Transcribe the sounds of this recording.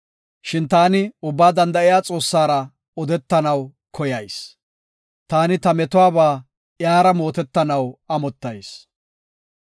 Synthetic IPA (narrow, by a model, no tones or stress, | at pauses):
ʃɪnt̪aːnɪʊbːaːd̪ɐnd̪ɐʔɪjaːt͡sʼo̞ːsːaːɾɐ | ɔd̪ɛt̪ːɐnɐw | kʰɔjɐjs | t̪aːnɪt̪ɐmɛt̪ʊwaːbaː | jaːɾɐmo̞ːt̪ɛt̪ːɐnɐwɐmɔt̪ːɐjs